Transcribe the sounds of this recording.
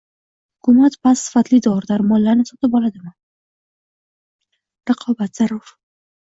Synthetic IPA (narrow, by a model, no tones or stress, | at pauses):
hʊkʰʊmat̪pasːɪ̥fat̪lid̪ɒɾd̪aɾmɒlːaɾnɪsɒt̪ɪbɒlad̪ɪman | ɾaqʰɒbat̪z̥aɾːʊɾ